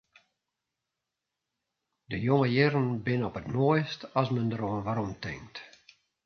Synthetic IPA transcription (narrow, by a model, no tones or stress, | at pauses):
dəjoŋəjɪrənbɪnəɔpətmojstɔsməndəɾoənʋaɾɔmtʰɪ̰ŋkt